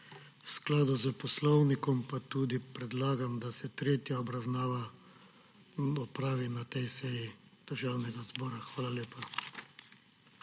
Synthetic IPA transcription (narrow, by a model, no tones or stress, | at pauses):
wsklaːd̪uzəpɔslɔwnikɔmpat̪uːd̪ipɾɛd̪laːɡamd̪asɛt̪ɾeːt̪jaɔbɾawnaːʋa | ɔpɾaːʋinat̪ɛjsɛjid̪̥əɾʒawnɛɡazbɔːɾaxʋaːlaljeːpa